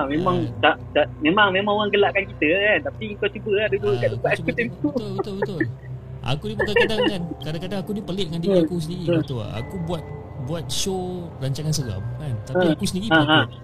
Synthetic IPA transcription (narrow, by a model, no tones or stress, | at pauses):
amẽmaŋt̪aʔt̪aʔmemaŋmemãŋoaŋɡəlaʔkankit̪əkant̪apiŋkawt͡ʃubəadod͡ʒuəʔkaʔdəkaʔ̪akut̪emt̪uʊbət̪ʊlbət̪ʊl | ʔa̰kudipəkaadaŋkŋankadakadaŋakudipəlɪʔ̚dəŋandiakus̬əndiɾiət̪ʊ̰a̰kubuat̪̚ | buat̪̚ʃoraɲt͡ʃaŋansəɣa̰m̚kant̪aə̃iakusəndiɾiaa